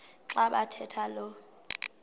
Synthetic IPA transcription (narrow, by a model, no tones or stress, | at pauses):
ǁaɓatʰɛtʰalɔ